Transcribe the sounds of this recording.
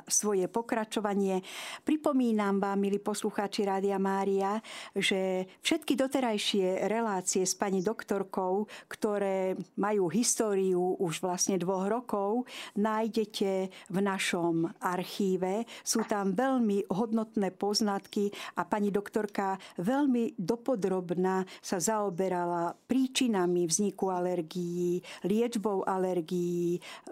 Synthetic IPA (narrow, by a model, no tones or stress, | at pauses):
sʋɔjɛpɔkɾat͡ʃɔʋaɲɪɛpɾipɔmiːnamʋaːmːiliːpɔsluxaːt͡ʃiɾaːd̪iamaːɾiaʒɛfʃɛt̪kid̪ɔt̪ɛɾajʃɪɛɾɛlaːt͡siɛspaɲid̪ɔkt̪ɔɾkɔʊkt̪ɔɾɛːmajuːɦist̪ɔːɾijuʔuʒʋlasɲɛd̪ʋɔɦɾɔkɔʊnaːjɟɛcɛvnaʃɔmʔaɾxiːʋɛsuːt̪amʋɛʎmiɦɔd̪nɔt̪nɛːpɔznat̪kiʔapaɲid̪ɔkt̪ɔɾkaʋɛʎmid̪ɔpɔd̪ɾɔbnasazaɔbɛɾalapɾiːt͡ʃinamivzɲikualɛɾɡijilɪɛd͡ʒbɔʊʔalɛɾɡiji